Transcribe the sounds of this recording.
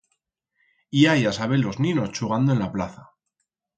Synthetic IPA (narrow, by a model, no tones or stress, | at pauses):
iajasaβ̞elːoznino̞st͡ʃuɣand̪oe̞nlaplaθa